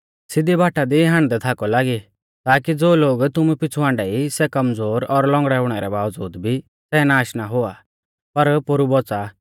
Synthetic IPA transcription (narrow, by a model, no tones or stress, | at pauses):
sɪd̪ibʱaːʈad̪iɦãɽ̃d̪ɛt̪ʰaːkɔlaːɡi | t̪aːkid͡zoːloːɡt̪ʊmupɪt͡sʰuãːɳɖɛisɛkɐmd͡zoːɾɔɾlɔ̃ŋɡɽɛʊɽ̃ɛɾɛbaːʋd͡zuːd̪bʱi | sɛnaːʃnaɦʊa | pɐɾpʊɾubɔt͡sa